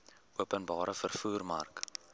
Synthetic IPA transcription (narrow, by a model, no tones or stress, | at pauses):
uəpənbɑːɾəfərfuːrmɐ̰rk